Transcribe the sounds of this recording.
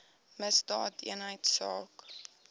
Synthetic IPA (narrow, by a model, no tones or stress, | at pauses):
məsdɑːtḭənɦəjtsɑːk